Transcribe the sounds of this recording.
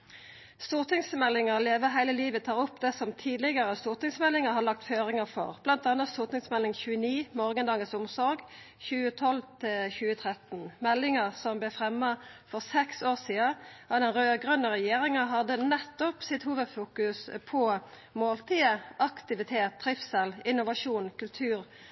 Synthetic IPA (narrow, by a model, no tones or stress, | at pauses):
st̪uːʁt̪ɪŋsmɛlːɪŋəʁleːʋəɦæɪləliːʋət̪ʰɑːʁʊpd̪ɛsɔmt̪ʰiːd̪lɪɡəʁəst̪uːʁt̪ɪŋsmɛlːɪŋəhɑːlɑk̚t̪føːʁɪŋəfɔ̰ʁb̥lɑnt̪ɑːnət̪st̪uːʁt̪ɪŋsmɛlɪŋçʉːəniːmɔːʁɡənd̪ɑːɡənsʊmsɔɾɡ | çʉːət̪ʰɔlt̪ʰɪlçʉːət̪ʰʁɛt̪n̩mɛlːɪŋəʁsɔmblɛfʁɛmːɑfɔʁsɛksoːʁsiːɑɑd̪ɛnʁøːɡʁʉnːəʁɛjeːʁɪŋɑɦɑd̪ənɛt̪ːɔpsɪt̪huːʋəd̪fuːkʉspʰɔ | moːlt̪iːəʔɑkt̪ɪʋɪt̪ʰeːt̪ːʁɪfsɛlɪnːʊʋɑʂuːnkʉlt̪ʰʉːʁ